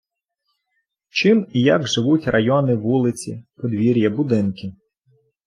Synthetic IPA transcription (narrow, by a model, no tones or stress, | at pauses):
t͡ʃɪmijaɡʒɪʋutʲrʔɐjɔnɪʋulˠɪt͡sʲḭpɔd̪ʋʲiɾʲjɐbʊd̪ɪnkɪ